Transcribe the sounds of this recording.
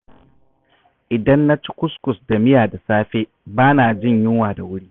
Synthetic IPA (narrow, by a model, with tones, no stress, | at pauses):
ʔɪ˨dɐ˦nːa˦t͡ʃɪ̥˦kʷʊ˦skʷʊ˨sda˨mɪ˦jaː˨da˨saː˦ɸeː˦ | baː˦naː˨d͡ʒɪ˦˨ɲjɪ˦ŋwaː˨da˨wʊ˦ɽiː˦